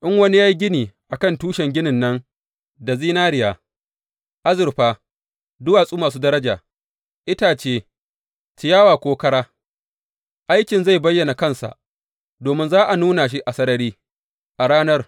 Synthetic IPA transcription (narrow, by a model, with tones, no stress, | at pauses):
ʔɪ˦ŋwɐ˦ni˦jaː˦ji˦ɡʲɪ˦niː˨ʔa˨kɐ˦˨ntuː˦ʃɛ˨ŋɡʲɪ˦nɪ˨nːɐ˦n | da˨ziː˦naː˦ɾɪ˨jaː˨ | ʔa˦zɪ˨rɸaː˦ | dʊ˦waː˨sʼuː˦maː˨s̬uː˦dɐ˦ɾɐ˦d͡ʒaː˨ | ʔɪ˦taː˨t͡ʃeː˦ | ti˨jaː˦waː˨kʷoː˦kɐ˦ɽaː˦ | ʔa˦jkʲɪ˨nza˦˨jbɐ˦jːɐ˨na˨kɐ˦˨nsa̰˨ʔ | doː˨mɪ˦nzaː˦ʔa˨nuː˦na˨ʃ̬i˦ʔa˨sɐ˦ɾɐ˦ɾiː˦ | ʔa˨ɽaː˦nɐ˦r